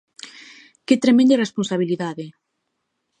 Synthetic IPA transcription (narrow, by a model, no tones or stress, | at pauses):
ket̪ɾemẽnd̪eresponsaβ̞iliðaðe